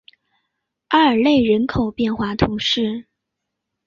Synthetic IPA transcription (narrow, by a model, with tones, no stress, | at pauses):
a˥ə˞˨˩le˥˩ɪɻə˧˥nkʰo˨˩ʊpjɛ˥˧nxwa˥˩t̪ʰu˧˥ŋʂɻ̩˥˩